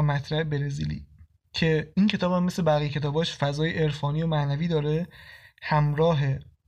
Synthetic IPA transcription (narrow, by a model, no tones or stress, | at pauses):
mæt̪ʰɾæebeɾeziːlḭː | cʰe̞incʰe̞t̪ɒːbhæmːese̞bæɣijcʰe̞t̪ʰɒːbɒːʃfæzɒːjeʔeɾfɒːnijomæʔnæviːd̪ɒːɾehæmɾɒːɦe